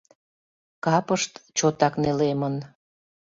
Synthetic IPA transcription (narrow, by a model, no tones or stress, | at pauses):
kɑpəʃt̪t͡ɕot̪ɑknelemən